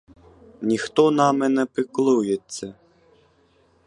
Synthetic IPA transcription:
nʲixt̪ɔnamɛnɛpɨklˠujesʲːɐ

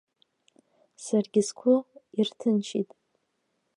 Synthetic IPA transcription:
sarɡʲɪskʷʰʊirtʰɨnt͡ʃʰḭtʼ

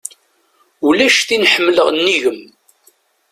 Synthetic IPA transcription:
ulæʃθinħəmːləʁnːiʝəm

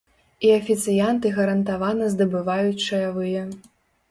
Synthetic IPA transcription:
iɐfʲit̪sɨjant̪ɨɣɐɾɐnt̪avanɐzd̪ɐbɨvajut͡sʲt͡ʂʂɐjavɨjɐ

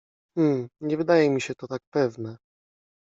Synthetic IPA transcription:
m̩ɲɛvɘd̪ajɛmʲiɕɛt̪ɔt̪ak̚pɛvnɛ

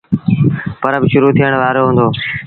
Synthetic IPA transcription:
pəɾəbɪʃʊɾuːt̪ʰiəɽ̃ʋaːɾoːɦũːnd̪oː

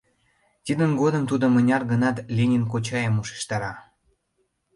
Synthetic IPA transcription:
t̪id̪ənɡod̪ə̆mt̪ud̪ŏmə̆nʲɑrɣə̆nɑt̪lʲenʲink̬ot͡ɕɑjəmuʃe̥ʃt̪ɑɾɑ

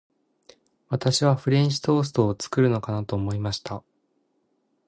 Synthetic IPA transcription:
βat̪aɕiβ̞aɸɯ̟ɾʲẽɲ̃ʑi̥t̪o̞ːs̬ɨ̥t̪o̞ːt͡sɨ̥kɯ̟ɾɯ̟no̞kanat̪o̞ːmo̞imaɕi̥t̪a

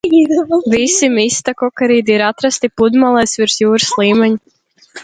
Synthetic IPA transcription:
id̪visimist̪akɔkaɾiːd̪iiɾat̪ɾast̪ipud̪malˠɛjsvʲiɾsjuːɾɨslˠiːmʲɛɲu

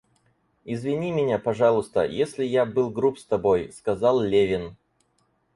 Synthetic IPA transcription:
ɪzvʲɪnʲimʲɪnʲapɐʐɑlˠʊst̪ə̰jesʲlʲɪjabɨlˠɡɾupst̪ɐbojskɐzɑlˠlʲevʲɪn

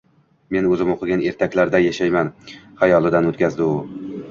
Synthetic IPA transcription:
me̞nɵzɪmoqʰɨɡʲane̞ɾt̪ʰakʲlaɾd̪ajaʃajmanχajɒlˠɪd̪anɵt̪kʲazd̪ɪʊ

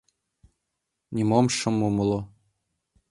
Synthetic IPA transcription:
nʲimomʃɤ̆mːumɤlˠo

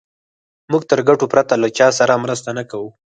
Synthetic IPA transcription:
mʊɡt̪əɾɡaʈopɾat̪alat͡ʃɑsaɾamɾəst̪anakawu

